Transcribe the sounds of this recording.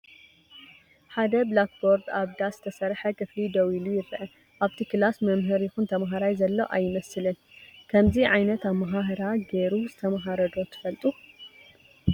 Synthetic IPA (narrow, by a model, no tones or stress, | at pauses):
ħad̪ɐblak̚boɾd̪aβd̪azɨt̪ʰɐsɐɾħɐkʰɨflid̪ɐwilujɪɾɨʔɐ | ʔaβt̪ʰikʰɨlasmɐmɦɨɾjɪxunt̪ʰɐmɦaɾajzɐlːoʔajːɪmɐsɨlɨn | kʰɐmziʕajnɐt̪aβmɐɦaɦɨɾaɡeɾuzɨt̪ʰɐmɐɦaɾɐd̪o̞t̪ʰɨ̥fɐlt̪ʼu